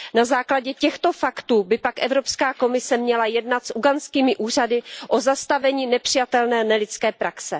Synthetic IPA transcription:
nazaːklaɟɛcɛxt̪o̞fakt̪uːbɪpakʔɛvɾo̞pskaːko̞mɪsɛmɲɛlajɛdnat̪sʔuɡant͡skiːmɪʔuːr̝adɪʔo̞zast̪avɛɲiːnɛpr̝̥ɪjat̪ɛlnɛːnɛlɪt͡skɛːpɾaksɛ

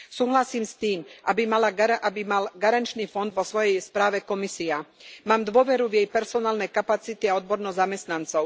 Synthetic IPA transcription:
suːɦlasiːmst̪iːmʔabimalaɡaʔabimalɡaɾant͡ʃniːfɔnd̪ʋɔsʋɔjɛjspɾaːʋɛkɔmisiamaːmd̪ʋʊɔʋɛɾuvjɛjpɛɾsɔnaːlnɛjkapat͡sit̪iaɔd̪̚bɔɾnɔzamɛst̪nant͡sɔʊ

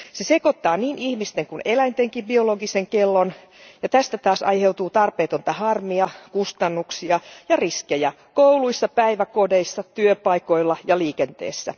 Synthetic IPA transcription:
sesekot̪ːɑːniːnʔihmist̪eŋkunelæint̪eŋkibioloɡiseŋkelːon | jɑt̪æst̪æt̪ɑːsɑjhe̞wt̪uːt̪ɑrpeːt̪ont̪ɑhɑrmiɑkust̪ɑnːuksiɑjɑriskejæ | kowluisːɑpæiʋækodeisːɑt̪yøpɑiko̞ilːɑjɑliːkent̪ḛːsːæ̰

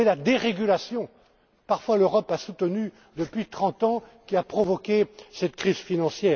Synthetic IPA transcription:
ɛlad̪eʁeɡʲylasjɔ̃ | paʁfwaløʁɔpasut̪əny | d̪əpɥit̪χɑ̃t̪ɑ̃kʲiapχɔvɔkʲesɛt̪kχizfinɑ̃sjɛːʁ

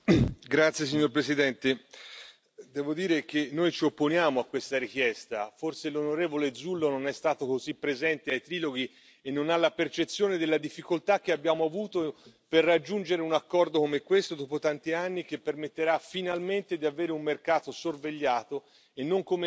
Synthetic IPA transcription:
ɡɾat̪sːjes̬iɲːorpɾesid̪ɛnt̪e | d̪ɛːvod̪iːɾek̟enːojt͡ʃiopːonjaːmoakːwest̪aɾik̟jɛst̪aforselonoɾeːvoled̪zulːononɛst̪aːt̪okozipːɾezɛnt̪eajt̪ɾiːloɡi | enːonalːapert͡ʃet̪sːjoːned̪elːad̪ifːikolt̪ak̟ːeabːjaːmoavuːt̪o | perːad͡ʒːund͡ʒeɾeunakːɔrd̪okomekːwest̪od̪ɔːpot̪ant̪ianːik̟epːermet̪ːeɾafːinalment̪ed̪iaveːɾeummerkaːt̪osorveʎːaːt̪o | enːoŋkome

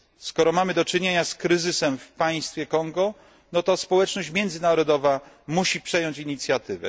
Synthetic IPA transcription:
skɔɾɔmamɘd̪ɔt͡ʂɘɲeɲaskɾɘzɘsɛmfpaj̃st̪fʲjɛkɔŋɡɔ | nɔt̪ɔspɔwɛt͡ʂnɔɕt͡ɕmʲjɛnd̪zɘnaɾɔd̪ɔva | muɕipʂɛjɔɲt͡ɕiɲit̪sʲjat̪ɘvɛ̰

